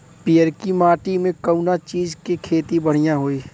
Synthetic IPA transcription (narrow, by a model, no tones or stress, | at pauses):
pijəɾkimaːʈimẽkəunat͡ʃiːzkekʰeːt̪ibəɽ̤ijãɦoːiː